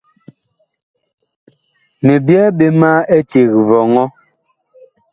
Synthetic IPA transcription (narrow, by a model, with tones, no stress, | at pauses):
ne˨bjɛ˦ɓe˦ma˦e˦te˨ɣvɔ˨ŋɔ˦